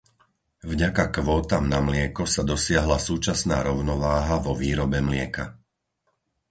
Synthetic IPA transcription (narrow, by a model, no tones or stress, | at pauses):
vɟakakʋɔːt̪aːmnamlɪɛkɔsad̪ɔsɪaɦlasuːt͡ʃasna̰ːɾɔʊnɔʋaːɦaʋɔʋiːɾɔbɛmlɪɛka